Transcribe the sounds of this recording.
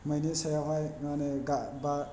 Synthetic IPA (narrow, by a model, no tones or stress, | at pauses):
məjnesajaɦajmaneɡaba